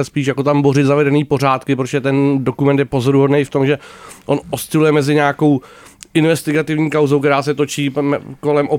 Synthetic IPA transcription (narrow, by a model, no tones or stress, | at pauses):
ɛspiːʃ̬jako̞t̪ambo̞ɾɪt̪zavɛdɛniːpo̞r̝aːt̪kɪp̬ɾot̪o̥ɛt̪ɛndokumɛnt̪jɛpo̞zoɾuɦodnejft̪o̞mʒɛʔonʔost͡sɪlujɛmɛzɪɲaːko̞w | ʔɪnvɛst̪ɪɡat̪ɪvɲiːkawzowkt̪ɛɾaːsɛt̪o̞t͡ʃiːko̞lɛmʔo